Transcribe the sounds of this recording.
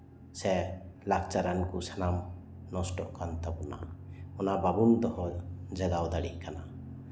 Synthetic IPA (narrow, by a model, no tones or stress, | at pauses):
sɛlak̚t͡ʃaɾankusanam | nɔsʈɔʔkant̪abuna̰ɔnababund̪ɔhɔd͡ʒaɡawd̪aɽḭʔ̚kana